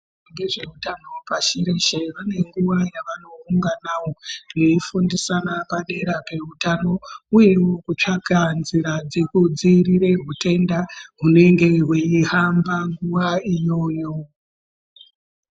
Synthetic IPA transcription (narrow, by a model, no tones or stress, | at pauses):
ŋɡeʐe̞utano̞paʃiɾe̞ʃe̞ʋane̞ŋɡuʋajaʋano̞uŋɡanawo̞reifundisanapaɗe̞ɾape̞utano̞uje̞wokut͡ʂaɡʱanziɾad͡zekud͡ziriɾe̞rute̞ndaɦune̞ŋɡe̞ɦweiɦambaŋɡuʋaijo̞ːjo̞